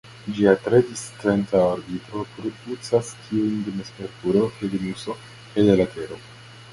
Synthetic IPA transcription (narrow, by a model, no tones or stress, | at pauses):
d͡ʒiatɾe̞distɾentaoɾbitɾo̞pɾodut͡saskʰiujndemespeɾkuɾo̞kedimuso̞ | kajdelatʰe̞ɾo̞